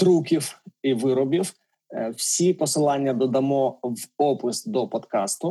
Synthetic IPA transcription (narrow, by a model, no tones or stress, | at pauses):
t̪ɾukʲifiʋɪɾɔbʲif | fsʲipɔsɨlˠanʲɪjɐd̪ɔd̪ɐmɔvɔpɪsd̪ɔpɐt̪kast̪ʊ